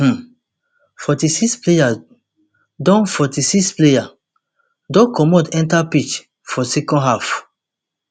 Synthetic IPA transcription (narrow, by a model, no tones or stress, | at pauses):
fɔtisikspleja | dɔ̃nfɔtisikspleja | dɔ̃kɔmɔ̃dɛ̃ntapit͡ʃ | fɔsɛkɔ̃nɦaf